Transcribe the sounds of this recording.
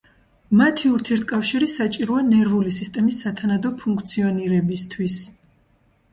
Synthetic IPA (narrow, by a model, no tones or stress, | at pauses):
mat̪ʰiuɾt̪ʰiɛɾt̪̚ʰkʼafʃiɾisat͡ʃʼiɾuanɛɾvulisist̪ʼɛmisːat̪ʰanad̪ɔpʰuŋkʰt̪sʰiɔniɾɛbist̪ʰwis